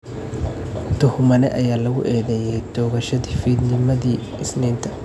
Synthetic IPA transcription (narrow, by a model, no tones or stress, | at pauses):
t̪ʰʊhmɐnɛ̰ʔɐjaːlɐɣʊ̰ʔɛːðɛjɛjt̪ɔːɣɐʃɐðiːfiːd̪nɪmɐðiː | ɪsniːnt̪ʰɐ̥